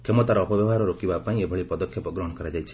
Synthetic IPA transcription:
kemɔt̪aɾɔːpɔbjɔɔɦaɾɔɾokibapaĩebʱɔɭipɔd̪ɔkʰːjɔpɔɡɾɔɦɔɽ̃kɔɾad͡ʒajt͡ʃʰi̥

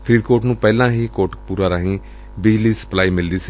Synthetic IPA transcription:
pʰɾiːd̪koːʈnũːpɛːlãːɦiːkoːʈpuːɾaːɾaɦĩː | bɪd͡ʒliːsə̥plaːiːmɪld̪iːsi

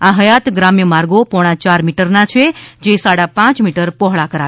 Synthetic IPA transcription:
ãɦəjat̪ɡɾamjəmaɾɡopɔɽ̃at͡ʃaɾmiʈəɾnat͡ʃʰed͡ʒesaɽapãt͡ʃmiʈəɾpɔɦɭakəɾa

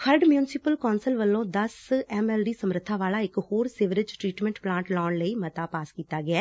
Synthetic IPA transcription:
kʰəɾɖmjuːnɪsɪpəlkɔːnsəlʋəlːõːd̪əsɛmɛːlɖiːsəmɾət̪ʰːaːʋaːlaːɪkhoːɾsɪʋɾɪd͡ʒʈɾiːʈmɛ̃ɳʈplãːɳʈlɔːɳləiːmət̪aːpaːskiːt̪aːɡɪɛː

